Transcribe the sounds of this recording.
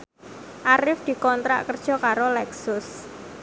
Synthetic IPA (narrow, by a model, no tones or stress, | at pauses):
ʔaɾɪfd̪̥i̤kɔnt̪ɾa̰ʔkərd̥ʒ̥ɔ̤kaɾolɛksʊs